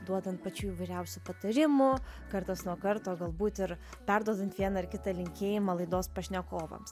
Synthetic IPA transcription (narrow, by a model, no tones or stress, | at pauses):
d̪uɔd̪ɐnt̪̚pɐt͡ʃʲuːiːʋɐɪɾʲɛʊsʲʊpɐt̪ɐɾʲɪmʊkɐɾt̪ɐsnuɔkɐɾt̪oːɡɐlˠbuːt̪ɪɾ | pʲæɾd̪uɔd̪ɐnt̪ʋʲiɛnɐɪɾkʲɪt̪ɐlʲɪŋʲkʲeːjɪmɐlˠɐɪd̪oːspɐʃʲnʲɛkoːʋɐ̰ms